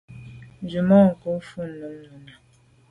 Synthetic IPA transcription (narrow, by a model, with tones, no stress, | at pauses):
n˨d͡ʒu˨mɔ˦ŋ̩˨ko˨˦fu˦n˨nə˨˦mnə˨na˨